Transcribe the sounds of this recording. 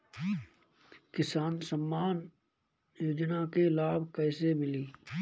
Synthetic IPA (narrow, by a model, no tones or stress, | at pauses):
kɪsaːnsəmːaːn | joːd͡ʒnakelaːbkɛːsemɪliː